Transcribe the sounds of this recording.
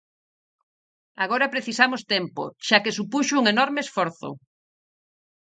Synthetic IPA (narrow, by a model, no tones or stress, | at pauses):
aɣ̞oɾapɾeθisamost̪empo̰ʃakesupuʃouŋenɔɾmeːsfoɾθo̰